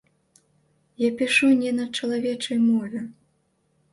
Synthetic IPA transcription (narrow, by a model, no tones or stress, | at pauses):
japʲiʂunʲɛnɐt͡ʂɐlˠavʲɛt͡ʂɐjmɔvʲɛ